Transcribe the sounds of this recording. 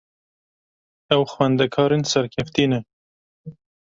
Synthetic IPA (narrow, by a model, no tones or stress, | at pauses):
awxwand̪akʰɑɾɪnsaɾkʰaft̪ina